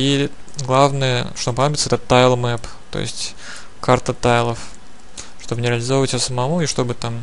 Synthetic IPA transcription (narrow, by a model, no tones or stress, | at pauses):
iɡlˠavnəjə̰ʂt̪ompɐnobʲɪt̪səɛt̪ət̪ajlˠmɛp | t̪o̰jɪ̰sʲtʲ | kart̪ət̪ajlˠəf | ʂt̪o̞bɨnʲɪɾʲɪəlʲɪzovəvətʲjosəmɐmuiʂt̪o̞bɨt̪am